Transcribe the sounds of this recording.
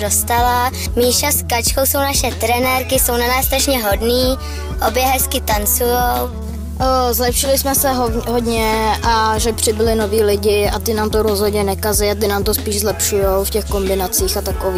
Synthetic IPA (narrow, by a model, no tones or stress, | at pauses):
dost̪ala | miːʃaskat͡ʃkowso̞wnaʃɛt̪ɾɛnɛɾkɪso̞wnanaːssːt̪ɾaʃɲɛɦo̞dniː | ʔobjɛɦɛskɪt̪ant͡sujow | zlɛpʃɪlɪsmɛsɛɦoɦo̞dɲɛʔaʒɛpr̝̥ɪbɪlɪno̞viːlɪɟɪat̪ɪnaːmt̪oɾozɦodɲɛnɛkazɛjat̪̬ɪnaːmt̪o̞spiːʒzlɛpʃujowfcɛxko̞mbɪnat͡siːxat̪akoviː